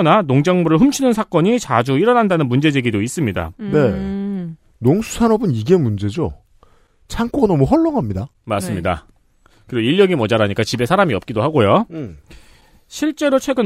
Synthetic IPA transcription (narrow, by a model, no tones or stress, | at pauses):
nanoŋd͡ʑaŋmuɾɯɭɸɯmt͡ɕʰinɯnsʰak͈ʌɲit͡ɕad͡ʑuiɾʌnandanɯnmund͡ʑe̞d͡ʑe̞ɡidois͈ɯmɲida̰ne̞ | noŋsʰu̥sʰanʌbɯniɡe̞mund͡ʑe̞d͡ʑo | t͡ɕʰaŋk͈oɡanʌmuɦʌɭːoŋɦamɲidamas͈ɯmɲida̰ | kɯɾiɡiʎːjʌɡimʌd͡ʑaɾaɲik͈at͡ɕibe̞sʰaɾamiʌp̚k͈idoɦaɡojo | ɕʰiɭt͡ɕ͈e̞ɾot͡ɕʰwe̞ɡɯn